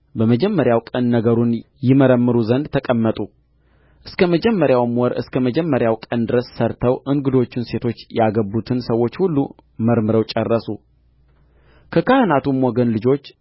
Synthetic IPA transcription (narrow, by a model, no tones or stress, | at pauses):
bəməd͡ʒɛmːəɾjawkʼənːəɡəɾun | jɪməɾəmːɨɾuzənd̪t̪ʰəkʼəmːət̪ʼu | ʔɨskʰəməd͡ʒɛmːəɾjawmɔɾʔɨ̰skʰəməd͡ʒɛmːəɾjawkʼənd̪ɨɾəsːəɾt̪ʰəwʔɨŋɡɨd̪o̞t͡ʃːɪnse̞t̪ʰo̞t͡ʃːjaɡəbːut̪ʰɨnsəwːo̞t͡ʃːhulːu | məɾmɨɾəwt͡ʃʼɛrːəsu | kʰəkʰahɨnat̪umːɔɡənlɨd͡ʒo̞t͡ʃː